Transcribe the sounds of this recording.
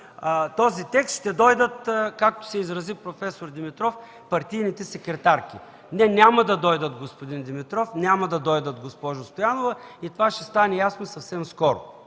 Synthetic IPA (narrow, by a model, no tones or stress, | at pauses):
t̪ɔzit̪ɛkst̪ʃt̪ɛd̪ɔjd̪ət̪kak̚t̪o̥sɛizɾɐzipɾofɛsoɾd̪imit̪ɾɔf | pɐɾt̪ijnit̪ɛsɛkɾɛt̪aɾkʲi | nɛnʲamɐd̪ɐd̪ɔjd̪ət̪̚ɡospod̪ind̪imit̪ɾɔfnʲamɐd̪ɐd̪ɔjd̪ət̪̚ɡospɔʒʊst̪ojanovɐit̪ovaʃɛst̪anɛjasnosɐfsɛmskɔɾʊ̰